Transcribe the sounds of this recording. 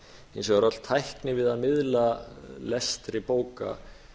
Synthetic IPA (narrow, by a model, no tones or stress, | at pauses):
ejnsɔɣaɾɔt̪l̥t̪ʰːajhknɪvɪðaðmɪðlalɛst̪ɾɪpoːwka̰